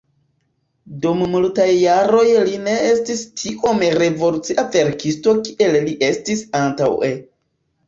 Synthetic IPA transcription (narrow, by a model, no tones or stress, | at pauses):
dummultajːaɾo̞jline̞estistʰiʔo̞meɾe̞vo̞lut͡siʔave̞ɾkisto̞kiʔe̞lliʔe̞stisanta̰we